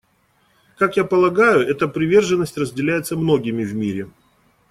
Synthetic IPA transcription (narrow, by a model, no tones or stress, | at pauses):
kakjapəlˠɐɡajʊɛt̪əpɾʲɪvʲe̞rʐɨnːəsʲtʲrəzʲdʲɪlʲæjɪt̪səmno̞ɡʲɪmʲɪvmʲiɾʲɪ